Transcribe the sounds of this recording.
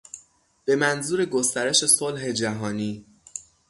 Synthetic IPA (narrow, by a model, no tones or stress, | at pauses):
b̥e̞mænzuːɾe̞ɡost̪æɾe̞ʃe̞solɦe̞d͡ʒæɦɒːniː